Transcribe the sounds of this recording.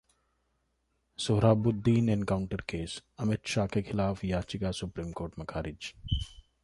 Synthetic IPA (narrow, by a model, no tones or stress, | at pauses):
sʊɦɾaːbʊd̪ːiːnenkaːwʊɳʈəɾkeːsɐmɪt̪ʃaːkekʰɪlaːfjaːt͡ʃɪkasʊpɾiːmkoːɾʈmɐkʰaːɾɪd͡ʒ